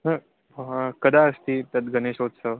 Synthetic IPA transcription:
nə | kəd̪aəst̪iːt̪jat̪ɡəneɕod̪sə

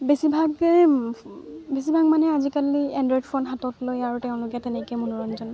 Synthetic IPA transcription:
besibʱaɡɛ | bes̬ibʱaɡ̚manɛazikaliɛndɹɔjdfʰɔnɦatɔtlojaɹutɛʊ̃lʊkɛtɛnɛkɛmunuɹɔnzɔn

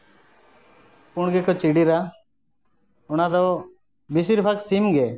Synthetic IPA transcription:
pʊɳɡɛkʰɔt͡ʃiɽiɾa | ʊnad̪ɔ | bis̬iɾpʰaksimɡɛ

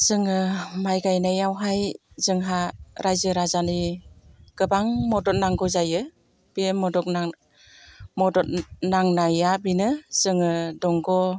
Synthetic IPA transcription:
z̥ɯŋɯmajɡajnajawɦajzɯŋɦaɾʔajzɯɾazani | ɡ̥ɯbaŋmɔdɔt̚naŋɡɔzajɯ | b̥imɔdɔk̚n | mɔdɔt̚naŋnajabinɯz̥ɯŋɯdɔŋɡɔ

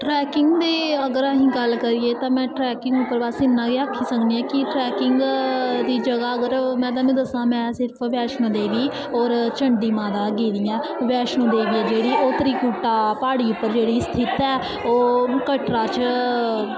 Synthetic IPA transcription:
ʈɾɛːkɪŋɡd̪eːəɡəɾəɦĩːɡəlkəɾiːeːt̪ãːmɛ̃ːʈɾɛːkɪ̃ŋɡʊpːəɾbasɪnːãːɡeːakʰːiːsəkniːɛ̃ːkɪʈɾɛːkɪŋɡd̪iːd͡ʒəɡaːəɡəɾmɛ̃ːd̪aːmĩːd̪əsãːmɛ̃ːsɪɾpʰʋɛːʃnõːd̪eːʋiː | ɔːɾt͡ʃəɳɖiːmãːd̪aːɡiːd̪ijãːʋɛːʃnõːd̪eːʋiːɛːd͡ʒeːɽiːʔoːt̪ɾiːkuːʈaːpaːɽiːʊpːəɾd͡ʒeːɽiːst̪ʰɪt̪ɛː | oːkəʈɾaːt͡ʃ

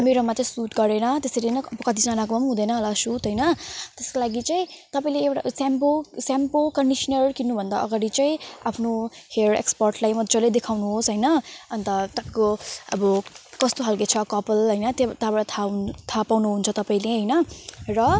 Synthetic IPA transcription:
meɾomat͡saĩsuʈɡʌɾenʌt̪eseɾenʌʌbʌkʌt̪ʰid͡zanakoʌmɦũd̪ʌjnʌɦʌlasut̪ɦʌjnʌt̪eskolaɡit͡saĩt̪ʌpaĩleewʈa̰samposampokʌɳɖisnʌrkinːubʱʌnd̪a̰ʔʌɡaɽit͡saĩapʰnoherḛkspʌrʈlajmʌd͡zʌled̪ekʰawnuɦosɦʌjnʌʌnt̪ʌt̪ʌpaĩkoʌ̰bʌkʌst̪oɦalket͡sʰʌkʌpʌlɦʌjnʌt̪at̪abaɽʌt̪ʰat̪ʰapawnuɦunt͡sʰʌt̪ʌpaĩleɦʌjnʌrʌ

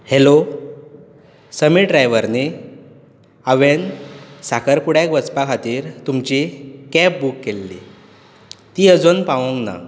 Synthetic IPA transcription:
helo | səmiʈɖɾajʋəɾni | aʋensakəɾpuɽakʋət͡spakʰat̪iːɾt̪umt͡ɕikɛp̚bukːelːḭ | t̪iːəd͡zonpaʋõŋɡna̰

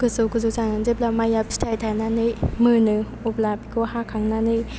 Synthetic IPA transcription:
ɡ̥ɯsokuzuzanɯnzep̚lamajap̚si̥tʰajtʰajnanɯjmɯnɯ | ɔplapikʰɔhakʰaŋnanɯj

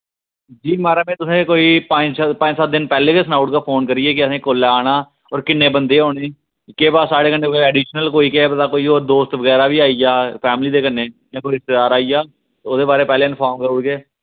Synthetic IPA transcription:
d͡ʒiːmaːɾaːmẽːt̪ʊsẽːkoːiːpə̃ɲd͡ʒspə̃ɲd͡ʒsət̪̚d̪ɪnpɛːleːʋeːsnaːʊʈkaːpʰoːnkəɾiːeːkɪəsẽːkoːlaːaːɽ̃aː | ɔːɾkɪnːeːbənd̪eːɦoːɽeː | keːbaːsaːɽeːkənːeːkoɛːɖiːʃnəlkoːiːkeb̪d̪aːkoːiːoːɾd̪oːst̪ʋəɡɛːɾaːʋiːaːiːjaːpʰɛːmliːd̪eːkənːeːjãːkoːiɪst̪eːd̪aːɾaːijaː | oːd̪eːbaːɾeːpɛːleːɪnpʰaːɾmkəɾʊɽɡeː

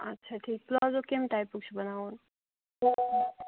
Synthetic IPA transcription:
ɐtːʃʰaʈʰiːk̚plɔzokemʈajpukt͡ʃʰubənaun

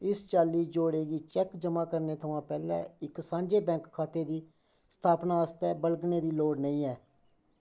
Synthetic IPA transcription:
ɪst͡ʃaːlːiːd͡ʒoːɽeːɡiːt͡ʃɛkd͡ʒəmãːkəɾneːt̪ʰəʋãːpɛːlɛ̰̃ːɪksãːɲd͡ʒeːbɛ̃ːŋkkʰːaːt̪eːd̪iː | st̪ʰaːpnãːəst̪ɛːbəlɡneːd̪iːloːɽnəĩːɛː

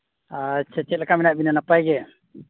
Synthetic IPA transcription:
at͡ʃʰat͡ʃɛt̪̚lɛkaminaʔ̚binanapajɡɛ

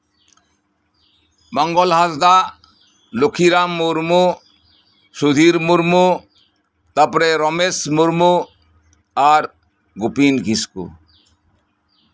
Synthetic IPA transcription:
mɔŋɡolɦazd̪a | lokʰiɾamːuɾmu | ʃud̪ʱiɾmuɾmu | t̪apɾeɾɔmesmuɾmu | aɾ | ɡupinkiskṵ

